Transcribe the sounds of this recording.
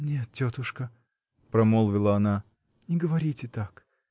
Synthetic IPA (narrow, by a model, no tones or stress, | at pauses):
nʲe̞t̪̚tʲot̪ʊʂkə | pɾɐmolˠvʲɪlˠəɐna | nʲɪɡəvɐɾʲitʲɪt̪ak